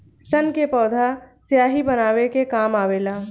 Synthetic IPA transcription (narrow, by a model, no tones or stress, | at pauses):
sɐnkepɔːd̪ʱasjaːɦibɐnaːwekekaːmaːʋeːlaː